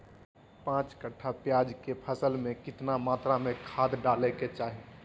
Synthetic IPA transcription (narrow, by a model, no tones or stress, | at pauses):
pãːt͡ʃkəʈʰapjaːd͡ʒkepʰəsəlmẽkɪt̪namaːt̪ɾamẽkʰaːd̪ɖaːleket͡ʃaːɦi